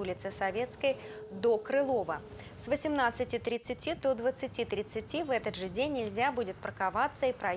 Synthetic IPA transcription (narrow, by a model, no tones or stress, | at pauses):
ulʲɪt̪sɨsɐvʲe̞t̪skəjd̪o̞kɾɨlˠo̞və | svəsʲɪmnat̪sɨtʲɪt̪ɾʲɪt̪sɨtʲid̪od̪vət̪sɨtʲit̪ɾʲɪt̪sɨtʲivɛt̪əd̪ʐɨdʲenʲːɪlʲzʲabudʲɪt̪̚pɾəkavat̪səipɾɐ